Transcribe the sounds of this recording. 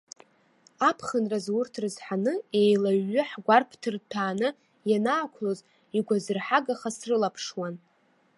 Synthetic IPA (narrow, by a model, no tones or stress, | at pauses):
apʰχənrazwʊrtʰrɨzħanɨe̞jlaɥːʏħɡʷarpʰtʰɨrtʰaːnɨ | janaːkʷʰloz | iɡʷazɨrħaɡaχasrɨlapʰʂwan